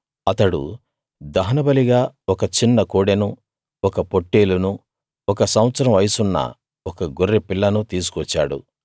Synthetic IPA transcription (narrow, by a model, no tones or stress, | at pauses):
ɐt̪ɐɽṵ | d̪ɐɦɐnɐbɐliɡaːɔkɐt͡ʃinːɐkoːɽenu | ɔkɐpo̞ʈːeːlunu | ɔkɐsɐw̃ɐt̪sɐɾɐ̃mʋɐjsunːɐ̰ | ɔkɐɡoɾːepilːɐnut̪iːs̬u̥kɔt͡ʃːa̰ːɽṵ